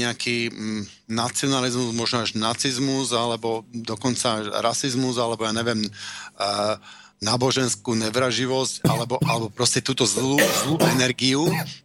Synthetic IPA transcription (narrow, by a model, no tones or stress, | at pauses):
ɛakiː | nat͡siɔnalizmuzmɔʒnɔaʒnat͡sizmuzalɛbɔd̪ɔkɔnt͡saaʒɾasizmuzalɛbɔjaːɲɛʋɪɛm | naːbɔʒɛnskuːnɛʋɾaʒiʋɔscalɛbɔalɛbɔpɾɔscɛt̪uːt̪ɔzluːzluːʔɛnɛɾɡiu